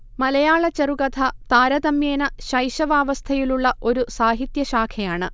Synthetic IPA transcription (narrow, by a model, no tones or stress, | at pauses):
mɐlɐjaːɭɐt͡ɕɐruɡɐd̪ʱʰɐt̪aːɾɐd̪ɐmjeːnɐɕɐjɕɐʋaːʋɐst̪ʰɐjiluɭːɐʔo̞ɾusaːɦit̪jɐɕaːkʰɐjaːɳɨ